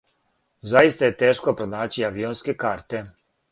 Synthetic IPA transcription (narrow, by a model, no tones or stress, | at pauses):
zajist̪aje̞t̪eːʃkopɾonaːt͡ɕiaʋionskekaːɾt̪e